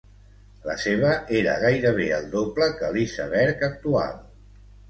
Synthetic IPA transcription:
lə̰seβ̞əeɾə̰ɣ̞ajɾəβ̞eəlˠd̪opləkəlisə̰βɛɾkək̚t̪ua̰lˠ

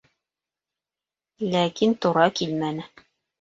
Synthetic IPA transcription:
lækint̪ŏɾɑkilmænɘ

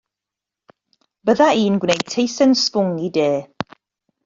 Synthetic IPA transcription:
b̥əðaʔiːnɡwnej̚tʰejsənspʊŋideː

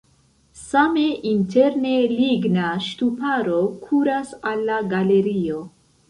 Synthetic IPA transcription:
sameʔintʰeɾneliɡnaʃtupaɾo̞kʰuɾasalːaɡale̞ɾio̞

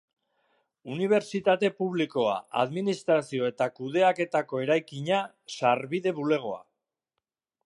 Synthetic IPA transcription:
uniβ̞e̞ɾt͡ʃit̪at̪e̞puβliko̞a̰a̰ðminist̪ɾasio̞e̞t̪akuð̞e̞ake̞t̪ako̞e̞ɾajkiɲa | saɾβiðe̞βule̞ɣ̞o̞a̰

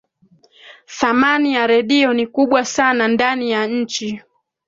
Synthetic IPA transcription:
θamanijaɾɛɗiɔnikuɓwasanandanijaɲ̩t͡ʃi

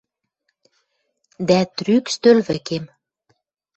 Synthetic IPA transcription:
d̪æt̪rykst̪ølβɘ̆kem

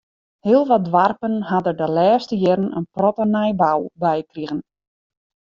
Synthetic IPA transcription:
hiəlˠʋɔdʋarpənɦadədəlɛːstəjɪɾənə̰nprɔtənɛjbawbɛjkriɣən

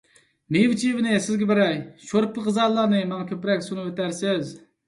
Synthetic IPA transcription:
mewt͡ʃʰivnɪsɪzɡʲɛbɪɾɛjʃoɾpːɨʁɨzɑlˠːɑnɨmɛŋkʲʰøpɾɛkʲsunɨet̪æɾsɪz

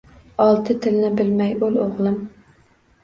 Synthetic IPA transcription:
ɑlˠt̪ʰɨt̪ʰɪlɪnɪbɪlmɛjøloʁlˠɨm

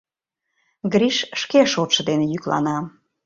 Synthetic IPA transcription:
ɡɾʲiʃʃkeʃot̪ʃə̆d̪enejyklɑ̰nɑ

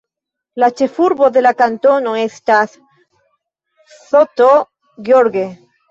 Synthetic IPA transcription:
lat͡ʃefuɾβoðelakant̪onoest̪as | θot̪o | ɣjoɾɣe

